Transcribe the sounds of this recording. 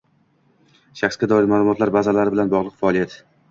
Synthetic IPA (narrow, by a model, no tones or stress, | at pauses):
ʃaχsɡʲad̪ɒɪɾmaːlˠʊmɒt̪laɾbazalaɾɪbɪlanbɒʁlˠɨqfaːlˠijat̪